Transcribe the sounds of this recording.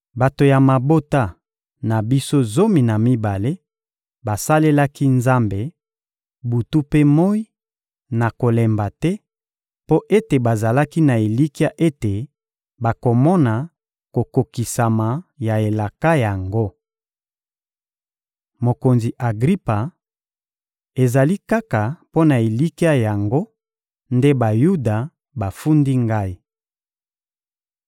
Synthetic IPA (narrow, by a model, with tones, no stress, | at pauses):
ba˨to˨ja˨ma˨bo˦ta˦ | na˨bi˦so˦zo˦mi˨na˨mi˦ba˨le˦ | ba˨sa˦le˦la˦ki˦nza˦mbe˨ | bu˨tu˦pe˦mo˦i˦ | na˨ko˨lɛ˨mba˨tɛ˦ | po˦ʔe˦te˨ba˨za˨la˦ki˦na˨e˨li˦ki˦a˦ʔe˦te˨ | ba˨ko˨mɔ˦na˨ | ko˨ko˨ki˨sa˨ma˨ja˨e˨la˨ka˦ja˨ŋɡo˦ | mo˨ko˨nzi˨ʔa˨ɡʁi˦pa˨ | e˨za˨li˦ka˦ka˨po˦na˨e˨li˦ki˦a˦ja˨ŋɡo˦ | nde˦ba˨ju˦da˨ | ba˨fu˦ndi˦ŋɡa˦i˦